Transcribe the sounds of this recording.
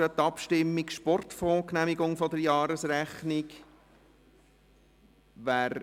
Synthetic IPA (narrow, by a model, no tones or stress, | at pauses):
ət̪ːɑpʃtɪmːikʃpɔrt̪fɔːknæmiɡʊŋfɔd̪əɾjɑːɾəsræχnɪk | ʋæːɾ